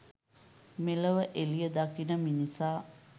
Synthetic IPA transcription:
meləʋəʔelijəd̪akinəminisaː

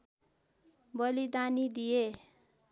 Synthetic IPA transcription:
bʌlid̪anid̪ije

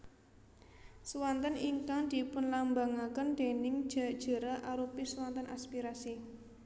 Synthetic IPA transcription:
suwant̪əniŋkaŋd̪̥i̤pʊnlambaŋakənd̪̥e̤nɪŋd̥ʒ̥a̤d̥ʒ̥ə̤ɾaʔaɾupisuwant̪ənʔa̰spiɾasi

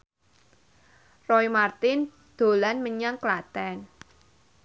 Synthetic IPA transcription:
rɔimart̪ɪn | d̪̥o̤lanməɲaŋklat̪ɛn

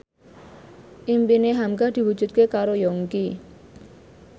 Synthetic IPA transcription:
ʔimpineɦamɡahd̪̥i̤wud̥ʒ̥ṳt̪̚kekaɾojɔŋki

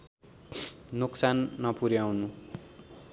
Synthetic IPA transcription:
nuksanːʌpuɾjawnu

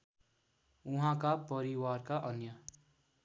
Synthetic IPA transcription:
uɦãkapʌɾiwarkaʔʌnjʌ

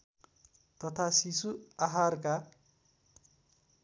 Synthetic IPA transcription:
t̪ʌt̪ʰasisuaɦarka

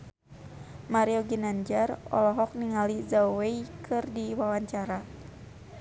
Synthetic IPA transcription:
maɾiɔɡinaɲd͡ʒarɔ̰lɔɦɔk̚niŋalizawweikʰɨrdiwawaɲt͡ʃaɾa

